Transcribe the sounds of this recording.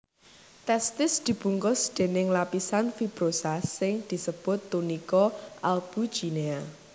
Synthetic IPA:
t̪ɛst̪ɪsd̪̥i̤b̥ṳŋkʊsd̪̥e̤nɪŋlapisanfib̥ɾosasɪŋd̪̥i̤səb̥ʊ̤t̪ːunikɔʔalb̥u̥ʒ̥inea

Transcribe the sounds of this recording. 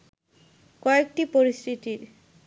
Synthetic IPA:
kɔekʈipoɾist̪ʰit̪iɾ

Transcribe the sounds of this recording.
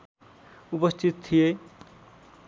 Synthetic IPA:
upʌst̪ʰit̪t̪ʰːije

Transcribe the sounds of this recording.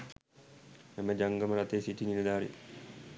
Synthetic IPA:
ɛməd͡ʒaŋɡəməɾat̪eːsiʈiniləd̪aːɾḭ

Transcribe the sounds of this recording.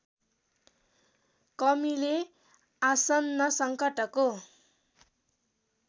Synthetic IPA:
kʌmile | asʌnːʌsʌŋkʌʈʌko

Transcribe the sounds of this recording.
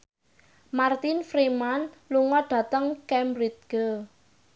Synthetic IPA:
mart̪infɾimanluŋɔɖ̥ä̤t̪əŋkɛmɾit̪̚ɡ̥ə

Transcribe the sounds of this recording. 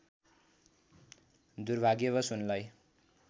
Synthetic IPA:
d̪urbʱaɡjeβʌsunlaj

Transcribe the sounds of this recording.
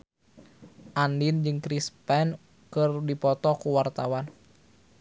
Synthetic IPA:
ʔandind͡ʒɨŋkɾispɛn | kɨrdipɔt̪ɔkuwart̪awan

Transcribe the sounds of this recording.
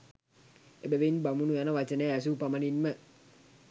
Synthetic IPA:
ebeʋenbamunujanəʋat͡ʃəneas̬upamɐninmə

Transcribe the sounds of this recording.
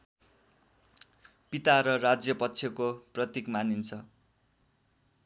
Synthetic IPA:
pit̪aɾʌrad͡zjʌpʌtːt͡sʰjʌkoprʌt̪ikmanint͡sʰʌ

